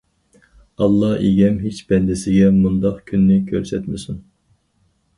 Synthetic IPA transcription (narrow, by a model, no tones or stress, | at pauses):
ɑlˠːɑeɡʲɛmɦet͡ʃb̥ɛnd̪ɪsɪɡʲɛmund̪ɑqkʲʰynːɪkʲʰøɾsɛt̪mɪsyn